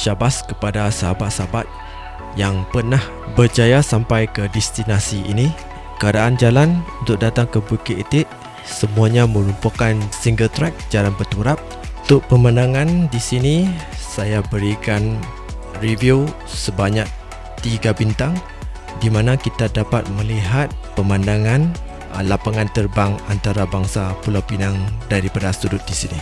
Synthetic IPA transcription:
ʃabaskəpadasəɦabat̪̚sabat̪̚ | jaŋpərnah | bərd͡ʒajasampajkədɛst̪inasiʔḭni | kəadaʔand͡ʒalanunt̪ʊk̚dat̪aŋkəbukiʔet̪ɪʔ̪̚ | səmuaɲamə̃ɾumpakansiŋɡəlt̪ɾɛk̚d͡ʒalanbərt̪uɾap̚ | unt̪ʊk̚pəmənãŋãndisinisajabəɾikan | riviu | səbaɲak̚ | t̪iɡabint̪aŋ | dimanakit̪adapat̪̚mə̃liɦat̪̚pəmãndaŋan | lapaŋãnt̪ərbaŋant̪aɾabaŋsapulawpinaŋdaɾipadasə̥t̪udʊt̪̚disini

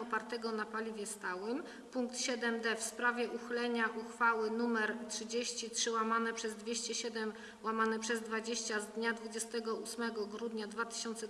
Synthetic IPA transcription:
ɔpaɾt̪ɛɡɔnapalʲivʲjɛst̪awɘm | puŋk̚t̪ɕɛd̪ɛmd̪ɛfspɾavʲjɛʔuxlɛɲaʔuxfawɘnumɛɾtʂɘd͡ʑeɕt͡ɕitʂɘwamanɛpʂɛzd̪vʲjeɕt͡ɕɛɕɛd̪ɛm | wamanɛpʂɛzd̪vad͡ʑeɕt͡ɕazd̪ɲad̪vud͡ʑɛst̪ɛɡɔusmɛɡɔɡɾud̪ɲad̪vat̪ɘ̥ɕɔnt̪sɛ

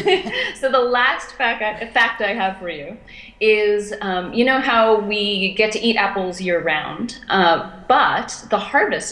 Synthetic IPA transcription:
soʊðəlæstfæk̚taɪfæk̚taɪɨv̥fə˞jʉ | ɪzʌ̃mjɨñoʊɦaʊwiɡɛtʰɨʔiɾʔæpl̩ˠzjə˞ə˞ãʊ̃nd̥ʔʌb̥ʌt̪̚ðəhɑɹɾɨs

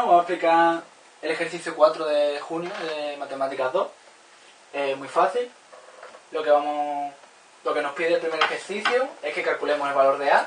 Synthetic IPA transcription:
βamoeplika | ele̞xe̞ɾθiθjukwat̪ɾoðexunjoðemat̪e̞mat̪ikaðo̞h | e̞mwifaθil | lːo̞keβamo | lo̞ke̞nohpjeðeapɾemeɾe̞xe̞ɾθiθjue̞hke̞kalkule̞mose̞lβalo̞ɾrea

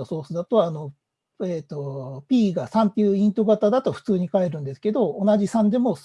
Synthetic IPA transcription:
oso̞ːsɨd̪at̪o̞ːno̞ | eːt̪o̞pʲiːɡasãnt̪ːe̞jɯ̟ĩnt̪o̞ɡat̪ad̪at̪o̞ɸɯ̟̥t͡sɨːɲ̟ikae̞ɾɯ̟̃nd̪e̞sɨ̥ke̞d̪o̞ːnaʑisãnd̪e̞mo̞s

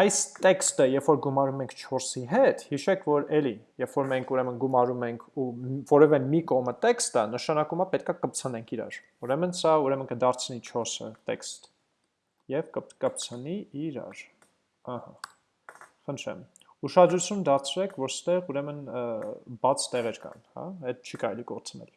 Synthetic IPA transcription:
ɑjst̪ɛkst̪əjɛffɔɾɡumɑɾumɛŋkʰt͡ʃʰɔɾsiɦɛt̪hiʃɛkʰvɔɾɛlijɛffɔɾmɛŋkʰuɾɛmənɡumɑɾumɛŋkʰuvɔɾɛvɛmikɔʁmət̪ɛkst̪ənəʃɑnɑkumɑpɛt̪̚kʰɑkəp̚t͡sʰənɛŋkʰiɾɑ̰ɾ | uɾɛmənsɑuɾɛmənkəd̪ɑɾt͡sʰnit͡ʃʰɔɾsə̰t̪ɛ̰kst̪ | jɛvkəkəp̚t͡sʰəniiɾɑ̰ɾ | əhɑ | χənt̪ʰɾɛ̰m | uʃɑd̪ɾut͡sʰjund̪ɑɾt͡sʰɾɛkʰvɔɾst̪ɛʁuɾɛmən | bɑt͡sʰt̪ɛʁɛɾkɑ̰nhɑ̰hɛd̪̚t͡ʃʰikɑɾɛliɡɔɾt͡sʰnɛ̰l

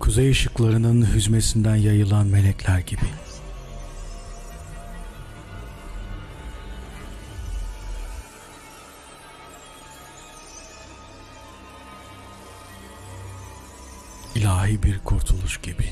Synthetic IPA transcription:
kʰuzejɯʃɯklˠaɾɯnɯnɦyzmesind̪ænjajɯlˠanme̞lʲɛclʲæɾɟibi | ilʲaːɦiːbiɾkʰuɾt̪ʰulˠuʃɟibi

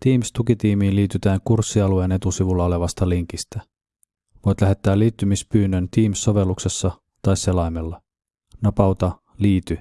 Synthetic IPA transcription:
t̪iːmst̪ukit̪iːmiːnliːt̪yt̪æːŋkursːiɑlue̞ːne̞t̪usiʋulːɑo̞le̞ʋɑst̪ɑliŋk̟ist̪æ | ʋo̞jt̪læɦe̞t̪ːæːliːt̪ːymispyːnːønt̪iːmsːo̞ʋe̞lːukse̞sːɑ | t̪ɑjsːe̞lɑjmelːɑ | nɑpɑwt̪ɑ | liːt̪y

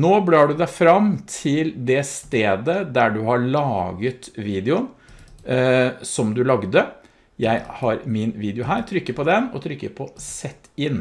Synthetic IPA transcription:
noːbɽɑːɖʉd̪æɪfɾɑmt̪ʰɪld̪ɛst̪eːd̪əd̪æɖʉhɑɭɑːɡət̪ʋiːd̪ɛʊn | sɔmd̪ʉlɑɡd̪ə | jæɪhɑɾmɪnʋiːd̪ɪʊɦæːɾt̪ʰɾʏkːəpʰɔd̪ɛnɔ̰t̪ʰɾʏkːə̰ɾpʰɔsɛt̪ːɪn

